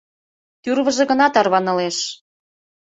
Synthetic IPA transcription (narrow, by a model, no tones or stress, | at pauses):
t̪yrβə̆ʒĕɣə̆nɑt̪ɑrβɑnɤ̆leʃ